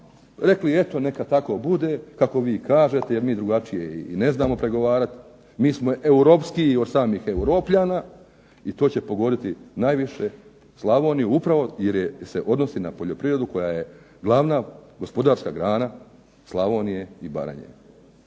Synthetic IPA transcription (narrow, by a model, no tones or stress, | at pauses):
ɾe̞klie̞t̪o̞ne̞kat̪ako̞bud̪e̞kako̞ʋiːkaːʒe̞t̪e̞je̞ɾmiːd̪ɾuɡat͡ʃijeiːne̞znaːmo̞pɾe̞ɡo̞ʋaːɾat̪ | miːsmoe̞uɾo̞ːpskio̞d̪saːmiːxe̞uɾo̞ːpʎaːnaː | it̪o̞ːt͡ɕe̞po̞ɡo̞d̪it̪inajʋiʃe | slˠaʋo̞ːnijuupɾaʋo̞jeɾjese̞ʔo̞d̪no̞sinapo̞ʎo̞pɾiʋɾe̞d̪uko̞jaːje̞ | ɡlˠaʋnaːɡo̞spo̞d̪aːɾskaɡɾaːna | slˠaʋo̞ːnije̞iba̰ɾa̰ɲḛ